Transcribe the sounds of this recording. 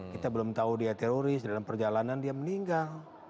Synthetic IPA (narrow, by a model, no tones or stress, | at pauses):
kit̪abəlʊmt̪audiat̪eɾoɾɪsdalampərd͡ʒalanandiaməniŋɡal